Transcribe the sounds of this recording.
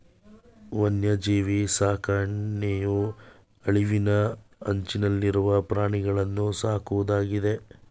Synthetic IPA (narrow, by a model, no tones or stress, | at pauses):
ʋɐnjɐd͡ʒiːʋisaːkaːɳneːju | ɐɭiʋinɐɐɲt͡ʃinɐlːiɾuʋɐpɾaːɳiɡɐɭɐnːusaːkuʋud̪aːɡid̪e̞